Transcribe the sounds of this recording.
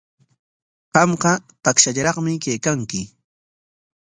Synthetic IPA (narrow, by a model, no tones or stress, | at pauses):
qɑmqɑt̪akʃaʎɾɑχmɪkejkaŋkɪ